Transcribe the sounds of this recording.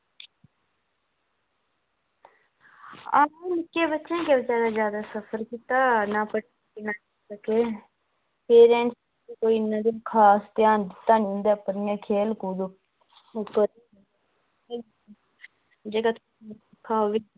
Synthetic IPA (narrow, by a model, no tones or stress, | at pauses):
aːnɪkeːbətːt͡ʃẽkeʋɪt͡ʃaːd̪aːd͡ʒjaːd̪aːsəpʰəɾkit̪aːnaːpəʈː | kinaː | səkeː | peːɾẽːns | ikoːinːãːd̪ĩkʰaːst̪jaːnd͡ʒ̪ɪt̪ːaːnĩʊ̃nd̪eːpəɾɪjãːkʰeːlkuːd̪ | pəɾi | d͡ʒeːkaːt̪ʰ | kʰaːʋɪ